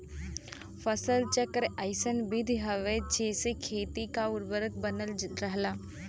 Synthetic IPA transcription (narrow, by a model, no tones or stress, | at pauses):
fʰəsəlt͡ʃəkəɾaɪsənbɪd̪ʱɦɐʋed͡ʒeːsekʰeːt̪ikaʊɾbəɾət̪̚bənəld͡ʒɪɾəɦlaː